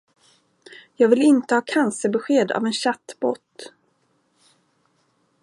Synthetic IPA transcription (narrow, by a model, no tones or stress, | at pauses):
jɑːɡvɪlɪnt̪əhɑːkʰansəbɛɧeːd̪a̰vɛnɕat̪ːbo̰ːt̪